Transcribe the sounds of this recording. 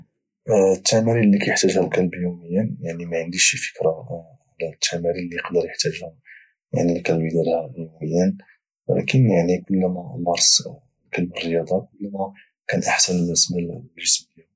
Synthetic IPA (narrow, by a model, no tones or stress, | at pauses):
t̪ːæmæɾilːikæjəħt̪æʒhælkælbjuməjːænjaʕnimæʕənd̪iʃifə̥kɾɑ | ʕlæt̪ʰːæmæɾilːiəqd̪əɾjəħt̪æʒhæ | ja̰ʕnilkælbid̪ælhæjuməjːən | wə̰læ̰kənjaʕnikʊlːmæmɑɾˤs | lkælbərːəjɑd̪ˤɑkʊlːmæ | kænʔaħsənləsmællʒəsməjːa